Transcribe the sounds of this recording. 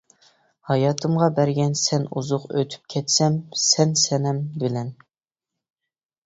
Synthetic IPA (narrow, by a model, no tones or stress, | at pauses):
hɑjɑːt̪ʰɨmʁɑbæɾɡʲɛnsɛnṵzʊqø̰t̪ʰy̥p̚kʲʰɛt̪sɛmsɛnsɛnɛmbɪlɛn